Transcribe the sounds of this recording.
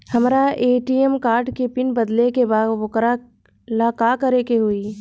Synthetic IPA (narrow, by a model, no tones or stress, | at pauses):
hɐmɾaʔeːʈiɛmkaːɾʈkepɪnbɐd̪lekebaːd̪ʋʊkɾa | laːkakəɾekeɦuiː